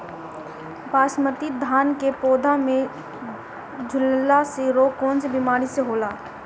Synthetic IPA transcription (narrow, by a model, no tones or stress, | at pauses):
baːʃməɾt̪id̪ʱaːnkepoːd̪ʱamẽ | d͡ʒʱʊllaseɾoːkɔːnsebimaːɾiseɦoːlaː